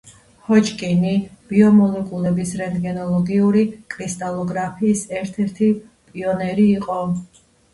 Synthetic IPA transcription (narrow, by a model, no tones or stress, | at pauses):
hɔt͡ʃʼkʼinib̥iɔmɔlɛkʼulɛbisɾɛnd̪ɡɛnɔlˠɔɡiuɾikʼɾist̪ʼalˠɔɡɾapʰiːsɛɾt̪ʰɛɾt̪ʰi | pʼiɔnɛɾiːqʼɔ